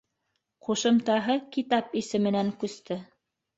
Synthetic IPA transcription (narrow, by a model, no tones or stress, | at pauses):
quʃɤ̆mt̪ɑɦɤkit̪ɑpisɘ̆mɘ̆næŋkʉst̪ɘ